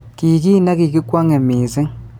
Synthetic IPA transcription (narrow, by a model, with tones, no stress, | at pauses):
ki˨k̬i˦na˦k̬i˨k̬i˦kwa˦ŋe˨miː˨zi˦